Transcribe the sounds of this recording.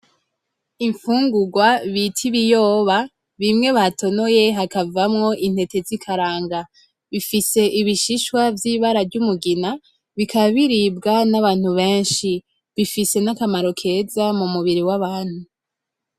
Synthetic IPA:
iɱfuːŋɡuɡwaβitʰiβijo̞ːβa | βimŋe̞βatʰo̞no̞je̞ɦakavamŋo̞ʔin̥he̞te̞zikʰaɾaːŋɡa | βifise̞ʔiβiʃiʃwavjiːβaɾavɟumuɡina | βikaβiɾibɡanaβaːn̥huβe̞ːnʃi | βifise̞nakamaɾo̞kʰe̞zamumuβiɾiwaβaːn̥hu

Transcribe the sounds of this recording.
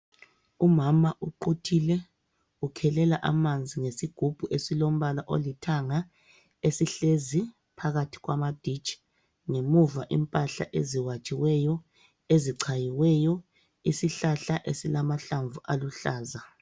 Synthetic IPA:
umamaʔuǃutʰilɛ | ukʰɛlɛlaʔamand͡zʱiŋesiɡ̥ʱub̥ʱuʔesilom̩βalaʔolitʰaŋa | esiɬezi | pʰaɣatʰi̥ɣwamad̥ʱit͡ʃʼ | ŋemuvaʔimpʼaɬa̰ʔḛziwat͡ʃʼiwɛjɔ | eziǀʰajiwɛjɔ | isiɬaɬaʔesilamaɬaɱvuʔaluɬaːza

